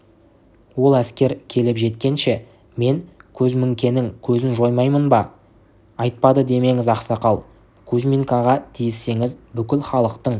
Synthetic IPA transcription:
wo̞lˠæskʲe̞ɾkʲʰe̞lɪpʒe̞t̪kʲe̞nʃe | me̞ŋkʲʰɵzmɪŋkʲe̞nɪŋkʲʰɵzɪnʒo̞jmɑjmənbɑ | ɑjt̪̚pɑd̪əd̪e̞me̞ŋɪzɑqsɑqɑlˠ | kʲʰɵzmʲiŋkɑʁɑt̪ʰijɪsːe̞ŋɪzbʏkʲɪlχɑlˠəqt̪əɴ

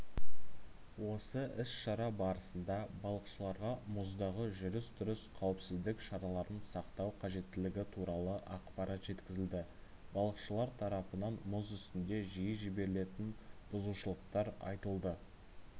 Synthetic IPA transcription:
wo̞səʔɪsʃɑɾɑbɑɾəsənd̪ɑbɑlˠəqʃəlˠɑɾʁɑmʊzd̪ɑʁəʒʏɾɪsd̪ʏɾɪsqʰɑwɪpsɪzd̪ɪkʃɑɾɑlˠɑɾənsɑqt̪ɑwqʰɑʒe̞t̪ːɪlɪɡʲɪt̪ʰuɾɑlˠəʔɑqpɑɾɑt̪ʒe̞t̪kʲɪzɪld̪ɪ | bɑlˠəqʃəlˠɑɾt̪ʰɑɾɑpənɑnmʊzʏst̪ɪnd̪e̞ʒijəʒɪbe̞ɾɪle̞t̪ɪnb̥ʊzuʃəlˠəq̚t̪ɑɾɑ̰jt̪əlˠd̪ə

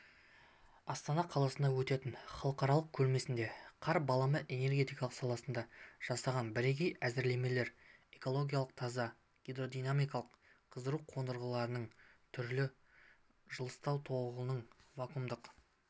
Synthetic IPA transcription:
ɑst̪ɑnɑqʰɑlˠɑsənd̪ɑwɵt̪e̞t̪ɪɴχɑlˠəqɑɾɑlˠəq̚kʲʰɵɾme̞sɪnd̪e̞qʰɑɾbɑlˠɑməʔe̞ne̞ɾɡʲe̞t̪ijkɑlˠəqsɑlˠɑsənd̪ɑʒ̥ɑsɑʁɑnbɪɾeɡʲejæzɪɾle̞me̞le̞ɾe̞ko̞lˠo̞ɡʲijalˠəq̚t̪ʰɑzɑ | ɡ̥ʲed̪ɾo̞d̪ijnamijkɑlˠəqqʰːəzəɾuqʰo̞nd̪əɾʁəlˠɑɾənəɴt̪ʰʏɾlɪ | ʒəlˠəst̪ɑwt̪ʰo̞ʁəənəɴvɑkʰumd̪əq

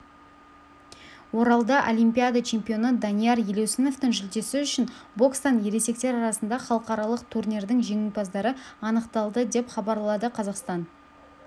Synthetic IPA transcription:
wo̞ɾɑlˠd̪ɑʔolʲijmpʲijad̪at͡ʃʰe̞mpʲio̞nəd̪ɑnijaɾjele̞wseno̞ft̪ɪŋʒʏld̪e̞sɪʏʃɪnbo̞kst̪ɑnje̞ɾe̞se̞k̚t̪e̞ɾɑɾɑsənd̪ɑχɑlˠəqɑɾɑlˠəqt̪ʰurnʲeɾd̪ɪŋʒe̞ŋɪnpɑzd̪ɑɾəɑnəqt̪ɑlˠd̪əd̪e̞pχɑbɑɾlˠɑd̪əqʰɑzɑqst̪ɑn

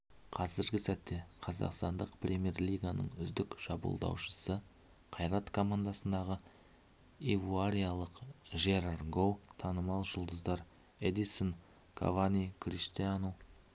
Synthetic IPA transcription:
qʰɑzɪɾɡʲɪsæt̪ːe̞qʰɑzɑ̰qst̪ɑnd̪əqprʲʔemʲe̞rlʲijɡanə̰ɴʏzd̪ɪkʒ̥ɑbṵlˠd̪ɑ̰wʃə̥sə | qʰɑjɾɑt̪kʰo̞mand̪asənd̪ɑʁə | evuaɾʲijalˠəqʒeɾarɡowt̪ʰɑnəmɑlˠʒʊlˠd̪əzd̪ɑɾ | ed̪ison | kʰa̰vanikrʲiʃt̪ianow

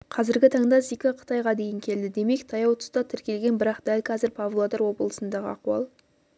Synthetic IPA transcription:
qʰɑzɪɾɡʲɪt̪ʰɑɴd̪ɑsikɑqʰə̥t̪ɑjʁɑd̪e̞jɪŋkʲʰe̞ld̪ɪd̪e̞me̞kt̪ʰɑjɑwt̪ʰʊ̥st̪ɑt̪ʰɪɾkʲe̞lɡʲe̞nbɪɾɑqd̪ælkʰɑzɪɾpʰavlˠod̪ɑɾwo̞bəlˠəsənd̪ɑʁə̰ɑquwɑ̰lˠ

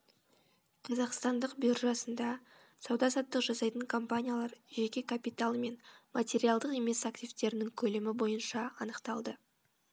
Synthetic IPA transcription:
qʰɑzɑqst̪ɑnd̪əqbjyrʒɑsənd̪ɑ | sɑwd̪ɑsɑt̪ːəqʒɑsɑjt̪əŋkʰompanʲijalˠɑɾʒe̞kʲe̞kʰapijt̪alˠme̞nmat̪ʲe̞ɾijalˠd̪əqe̞me̞saktʲijvt̪e̞ɾɪnɪŋkʲʰɵlemɪbo̞jənʃɑɑnəqt̪ɑlˠd̪ə

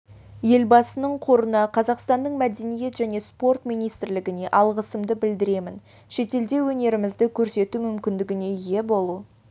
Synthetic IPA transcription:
je̞lbɑsənəɴqʰo̞ɾənɑqʰɑzɑqst̪ɑnd̪əɴmæd̪e̞nije̞t̪ʒæne̞spo̞rt̪mijnijst̪ɾlɪɡʲɪne̞ʔɑlˠʁəsəmd̪əbɪld̪ɪɾe̞mɪn | ʃe̞t̪e̞ld̪e̞wɵne̞ɾɪmɪzd̪ɪkʲʰɵɾse̞t̪umʏmkʲɪnd̪ɪɡʲɪne̞je̞bo̞lˠu

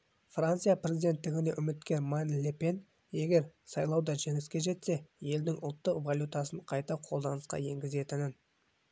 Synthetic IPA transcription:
frant̪sɨjaprʲe̞zijd̪e̞nt̪ːɪɡʲɪne̞ʔʏmɪt̪kʲe̞ɾmanlʲepe̞n | je̞ɡʲe̞ɾsɑjlˠɑwd̪ɑʒeŋɪskʲe̞ʒe̞t̪se̞je̞ld̪ɪŋʔʊ̰lˠt̪ːəqvalʲjut̪ɑsəɴqʰɑjt̪ɑqʰo̞lˠd̪ɑnəsqɑ̰je̞ŋɡʲɪze̞t̪ɪnɪn

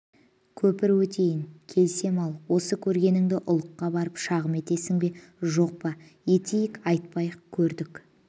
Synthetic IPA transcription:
kʲʰɵpɪɾwɵt̪ʰe̞jɪŋkʲʰe̞lse̞mɑlˠwo̞səkʲʰɵɾɡʲe̞nɪŋd̪ɪʔʊlˠəqːɑbɑɾəpʃɑʁəme̞t̪e̞sɪŋbe̞ʒo̞q̚pɑe̞t̪ʰejɪkɑjt̪̚pɑjəqkʲʰɵɾd̪ɪk

